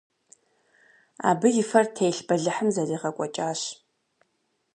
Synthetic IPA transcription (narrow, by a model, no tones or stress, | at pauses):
a̰ːbɨjɪfɐrtʰejɬbɐɮɨħəmzɐriːʁɐkʷʼɔt͡ʃʼaːɕ